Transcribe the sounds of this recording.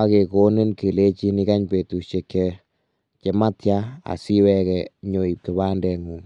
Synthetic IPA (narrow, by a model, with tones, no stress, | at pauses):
a˦ke˨ko˦nɪ˦nki˨le˦t͡ʃi˦ni˦ka˦ɲpe˨tu˨ʃe˨kɛ˨ | ke˨ma˦tja˦a̰˨si˦wɛ˦kɛ˨ɲo˨i˨p̚kɪ˨ba˦ndɛ˨ŋu˨ŋ